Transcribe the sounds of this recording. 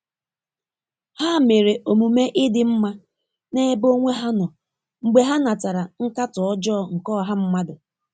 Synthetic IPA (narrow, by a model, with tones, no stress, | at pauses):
ha˦˨me˨ɾe˨ʔo˨mu˨me˦ʔɪ˦dɪ˨m̩˦ma˦ | ne˦e˦bo˦ŋʷe˦ɦa˦nɔ˨ | ŋ͡m̩˨ɡ͡be˨ɦa˦na˨ta˨ɾa˨ŋ̩˦ka˦tʊ˨ɔ˦d͡ʒɔː˦˨ŋ̩˨kɔ˦˨ɦa˦m̩˦ma˦dʊ˨